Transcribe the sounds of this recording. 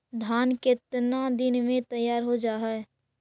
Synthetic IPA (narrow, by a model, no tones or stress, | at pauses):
d̪ʱaːnkɪt̪nad̪ɪnmẽt̪əjːaːɾɦod͡ʒaːɦɛɛ